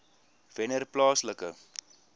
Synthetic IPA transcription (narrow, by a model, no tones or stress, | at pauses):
v̥ɛnərplɑːsləkə